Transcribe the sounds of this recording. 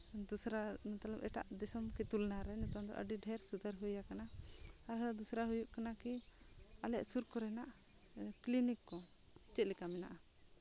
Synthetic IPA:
d̪usɾant̪alapɛʈa̰ʔd̪ɛsɔmkɛt̪ulnaɾɛnɛt̪ɔmd̪ɔ̰ʔə̰ɖiɖʱɛɾsud̪aɾɦujakanaaɾɦad̪usɾaɦujuʔkanaki | alɛʔsuɾkɔɾɛnaʔ | klinikːɔ | t͡ʃɛt̪̚lɛkamɛna̰ʔa

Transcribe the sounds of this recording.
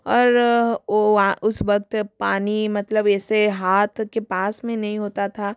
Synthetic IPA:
ɔːɾoaʊsʋɐk̚t̪paːnimɐt̪ləbɛːseɦaːt̪ʰkepaːsmẽnɐɦĩɦoːt̪at̪ʰaː

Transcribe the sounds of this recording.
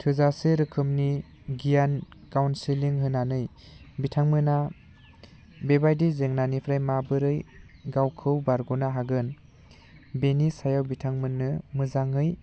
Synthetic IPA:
tʰɯzaseɾɯkʰɯmni | ɡijankawnsiliŋɦɯnanɯj | bitʰaŋmɯna | bebajdizeŋnanipʰɾajmabɯɾɯjɡawkʰɯwbaɾɡɔnaɦaɡɯn | benisajawbitʰaŋmɯnːɯmɯzaŋɯj

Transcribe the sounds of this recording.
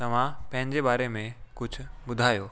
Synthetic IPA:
t̪ɐʋ̤ãpɐ̃ɦɪ̃ɲd͡ʑebaːɾemẽkʊt͡ʃʰʊbʊd̪ʱaːjoː

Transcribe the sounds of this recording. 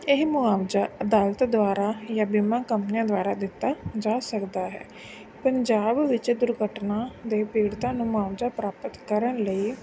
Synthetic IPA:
ɪɦmʊaːʋd͡ʒaːəd̪aːlət̪d̪ʊaːɾaːjãːbimãːkəmpnijãːd̪ʊaːɾaːd̪ɪt̪ːaːd͡ʒaːsəkd̪aːɦɛ̰ː | pəɲd͡ʒaːbʋɪt͡ʃd̪ʊɾɡəʈnãːd̪eːpiːɽt̪ãːnũːmʊaːʋd͡ʒaːpɾaːpət̪kəɾənləiː

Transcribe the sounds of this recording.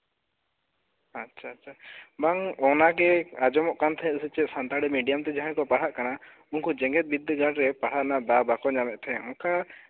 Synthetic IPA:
atːʃʰatːt͡ʃʰabaŋɔnaɡɛad͡ʒɔmɔʔkant̪ʰɛ̃ɛʔ̪sit͡ʃɛt̪sant̪aɽɛmiɖijamt̪ɛd͡ʒaɦɛ̃kɔpaɽ̤aʔkana | unkɔd͡ʒɛŋɡɛt̪̚bid̪ʱːəɡaɖɾɛpaɽ̤aʔnad̪abakɔd͡ʒamɛʔ̪̚t̪ʰɛɛ̃ʔɔka

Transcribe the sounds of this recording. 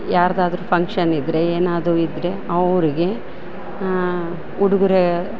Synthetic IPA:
jaːɾɐd̪aːd̪ɐɾuːpʰɐŋkʂɐnid̪ɾe̞eːnaːd̪ɾuid̪ɾe̞ɐʋɾiɡe̞ | uɽuɡuɾe

